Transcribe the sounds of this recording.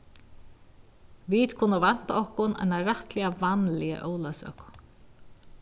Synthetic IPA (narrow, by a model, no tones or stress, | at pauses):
vit̪kʰʊnavan̥t̪aɔhkʊna̰jnaɾaht̪lɪavanlɪə̰ʔɔːwlasœ̰k